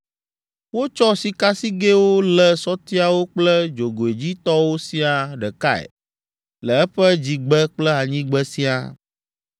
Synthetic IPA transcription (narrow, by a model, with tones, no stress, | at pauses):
wo˦t͡ʃɔ˦si˨ka˦si˦ɡe˦wo˦lɛ˨sɔ˦t̪i˦a˨wo˦k͡plɛ˦d͡ʒo˨ɡo˨e˨d͡ʑi˦t̪ɔ˦wo˦si˦a˨ɖɛ˨ka̰˦ɛ̰˨ | lə˨ɛ˦ɸɛ˦d͡ʑi˨ɡ͡bɛ˦k͡plɛ˦a˨ɲĩ˦ɡ͡bɛ˦si˦a̰˨